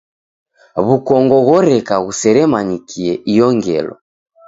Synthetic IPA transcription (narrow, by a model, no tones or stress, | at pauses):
βukɔŋɡɔɣɔɾɛkaɣusɛɾɛmaɲikʰiɛʔijɔŋɡɛ̰lɔ̰